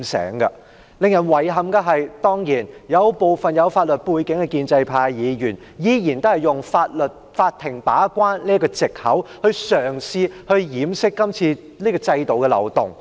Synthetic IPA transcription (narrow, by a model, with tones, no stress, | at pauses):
sɛ̰ː˨˥ŋkɐ˧ | lɪ˨ŋjɐ˨˩nwɐ˨˩jɦɐ˨˧mkɐ˧ɦɐ˨jt̪ɔː˥ŋjiː˨˩njɐ˨˧wpo˨˧wfɐ˨njɐ˨˧wfaː˧t̚lɵ˨t̚puː˧jkɪ˨˥ŋkɛ˧kiː˧nt͡sɐ˧jpʰaː˧jjiː˨˧jyː˨˩n | jiː˨˧jiː˨˩nt̪o˥hɐ˨jʊ˨ŋfaː˧t̚lɵ˨t̚ | faː˧t̚t̪ʰːɪ˨˩ŋpaː˨˥kʷaː˥nliː˥ɐ˥kɔː˧t͡sɪ˨k̚hɐ˨˥whɵ˧ɥsœː˨˩ŋsiː˧hɵ˧ɥjiː˨˥msɪ˥kːɐ˥mt͡sʰiː˧ | liː˥kɔː˧t͡sɐ˧jt̪o˨˩wkɛ˧lɐ̰˨˩wt̪ʊ˨˩ŋ